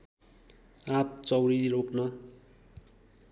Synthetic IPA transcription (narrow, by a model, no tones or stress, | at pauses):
ap̚t͡sʌwɾiɾoknʌ